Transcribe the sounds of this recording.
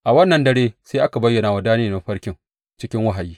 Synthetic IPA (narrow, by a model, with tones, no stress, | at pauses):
ʔa˨wɐ˦nːɐ˨ndɐ˦ɽeː˦seː˦ʔa˦ka˨bɐ˦jːɐ˨naː˨wa˨daː˦neː˨na˨ɸɐ˦ɽkʲɪ˦ŋ | t͡ʃɪ˦kʲɪ˦ŋwɐ˦ɦa˨jiː˦